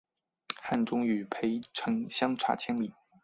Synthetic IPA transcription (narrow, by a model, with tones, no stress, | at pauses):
xa˥˩nʈ͡ʂʊ˥ŋy˨˩pʰe˧˥ɪʈ͡ʂʰɤ˧˥ŋɕjɑ˥ŋʈ͡ʂʰa̰˧˥t͡ɕʰjɛ˥nli˨˩˦